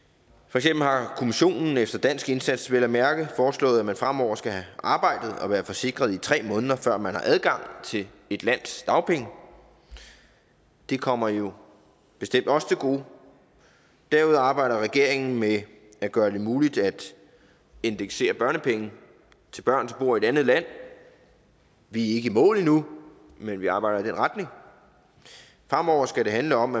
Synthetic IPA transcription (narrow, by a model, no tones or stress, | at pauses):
fɒ̽eɡ̥semb̥l̩hɑ̈kʰo̝miɕo̝̰ːnn̩efd̥ɐd̥æn̰sɡ̥e̝nsæd̥sʋelæmæɐɡ̥əfɒːslɔ̰̽ːð̩ˠæmænfʁam̰ɒ̰ʊ̰ɐsɡ̥æhæʔɑ̈ːb̥ɑ̈ɪ̰d̥ð̞̩ˠɒ̽ʋæːɐfɒ̽se̝ɡ̥ʁɐð̞ˠit͡sʰʁɛ̰ːmɔ̽ːnðˠɐfɶɐ̰mænhɑ̈ʔæðˠɡ̥ɑ̈ŋ̰t͡sʰe̝l | e̝d̥læn̰sd̥ɑ̈ʊpʰeŋə | d̥ekʰɒ̽m̰ɐjo̝ | b̥e̝sd̥em̰d̥ɒ̽st͡sʰe̝lɡ̥o̝̰ː | d̥æɐuð̞̰ˠɑ̈ːb̥ɑ̈ɪ̰ɾɐʁɛɡ̥e̝ɐ̰e̝ŋn̩me | æɡ̥ɶːɐd̥e̝muːlid̥æd̥ | e̝nd̥eɡ̥se̝̰ːɐb̥ɶɐnəpʰeŋ̩ | t͡sʰe̝lb̥ɶɐ̰nt͡sʰeb̥o̝ːɐie̝d̥ænð̞̩ˠlæn̰ | ʋie̝ɡ̥əimɔ̰̽ːlinu | menʋiɑ̈ːb̥ɑ̈ɪ̰ɾɐid̥enʁɑ̈d̥ne̝ŋ | fʁɑ̈m̰ɒʊ̰ɐsɡ̥æɾe̝ɦænləɒ̽m